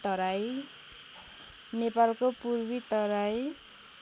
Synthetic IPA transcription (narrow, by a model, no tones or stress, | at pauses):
t̪ʌɾaj | nepalkopurbit̪ʌɾaj